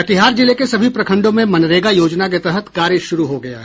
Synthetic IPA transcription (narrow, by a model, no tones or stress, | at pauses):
ɐt̪ɪɦaːɾd͡ʒɪlekesɐbʱipɾɐkʰə̃ɳɖõmẽmɐnɾeːɡajoːd͡ʒnak̬et̪ɛɦət̪kaːɾɪʃʊɾuɦoɡɐja̰ɦɛ